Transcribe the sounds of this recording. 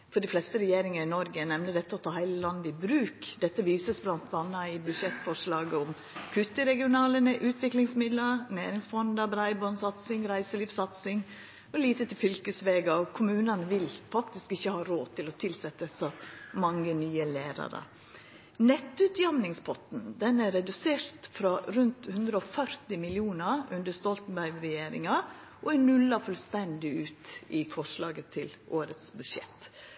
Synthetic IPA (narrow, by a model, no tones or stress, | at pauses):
fɔɖɪflɛst̪əɾɛjeːɾɪŋəɾɪnɔɾɡənɛmnəd̪ɛt̪ːəɔt̪ʰɑːhæɪləlɑnd̪ɪbɾʉːkd̪ɛt̪ːəʋiːsəsblɑnt̪ʰɑnːɑɪbʉʂɛt̪ːfɔʂlɑːɡəɔm | kʰʉt̪ːəɾɛɡɪʊnɑːlənəʔʉːt̪ʰʋɪklɪŋsmɪd̪lɑɾnæːɾɪŋsfɔnd̪ɑbɾɑɪbɔnsɑt̪sɪŋɾæɪsəliːfsɑt̪sɪŋ | ɔliːt̪ət̪ʰɪlfʏlkəsʋeːɡɑɔkʰʊmʉːnənʋɪlfɑkt̪ɪskɪçːəhɑːɾoːt̪ʰɪlɔt̪ʰɪlsɛt̪ːəsɔmɑŋːənyːəleːɾɑ̰ɾə̰ | nɛt̪ːʉt̪jɑmnɪŋspʰɔt̪n̩d̪ɛnæɾɛd̪ʉseːɾt̪fɾɑɾʉnt̪hʉnd̪ɾəɔfœɾt̪ɪmɪlɪuːnɑʉnd̪əst̪ɔlt̪n̩bæɾɡɾɛjeːɾɪ̰ŋɑ | ʔɔɛnʉlːɑfʉlst̪ɛnd̪ɪʉːt̪ɪfɔʂlɑːɡət̪ʰɪlʔoːɾət̪sbʉʂjɛ̰t̪ː